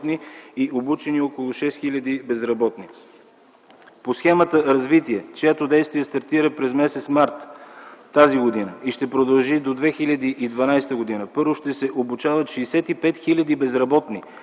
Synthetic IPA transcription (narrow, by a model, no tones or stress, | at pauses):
t̪niiʔobut͡ʃɛniokolˠʊʃɛst̪xilʲɐd̪ibɛzɾɐbɔt̪ni | posxɛmət̪əɾɐzvit̪iɛt͡ʃojat̪od̪ɛjst̪vijɛst̪ɐɾt̪iɾəpɾɛzmɛsɛt̪smaɾt̪ː | aziɡod̪inəiʃt̪ɛpɾod̪ɐlˠʒid̪od̪vɛxilʲɐd̪iʔid̪vɐnajst̪əɡod̪inəpɤɾvoʃt̪ɛsɛʔobut͡ʃavɐt̪ʃɛːsɛt̪ipɛt̪xilʲɐd̪ibɛzɾɐbɔt̪ni